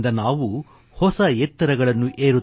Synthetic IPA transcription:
nd̪ɐnaːʋu | hɔsɐjɛt̪ːɐɾɐɡɐɭɐnːuʔeːɾu

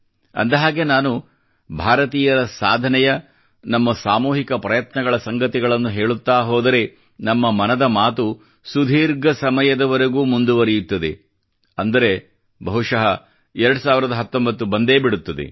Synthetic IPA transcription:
ɐ̰nd̪ɐɦaːɡe̞naːnu | bʱaːɾɐt̪iːjɐɾɐsaːd̪ʱɐnɛjɐ | nɐmːɐsaːmuːɦikɐpɾɐjɐt̪nɐɡɐɭɐsɐŋɡɐt̪iɡɐɭɐnːuɦe̞ːɭut̪ːaːɦoːd̪ɐɾe̞ | nɐmːɐmɐnɐd̪ɐmaːt̪u | sud̪ʱiːɾɡɐsɐmɐjɐd̪ɐʋɐɾeɡuːmund̪uʋɐɾijut̪ːɐd̪e | ɐnd̪ɐɾe̞ | bʱɐɦuʂɐɦɐ | ɛɾɐɽusaːʋiɾɐd̪ɐɦɐt̪ːombɐt̪ːubɐnd̪e̞ːbiɽut̪ːɐd̪ḛ

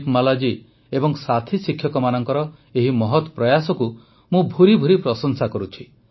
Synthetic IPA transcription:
kmalad͡ʒi | ebɔŋsat̪ʰisikʰjɔkɔmanɔŋkɔɾɔ | eɦimɔɦɔt̪ɔpɾɔjasɔku | mũbʱuɾibʱuɾipɾɔsɔnsakɔɾut͡ʃʰi

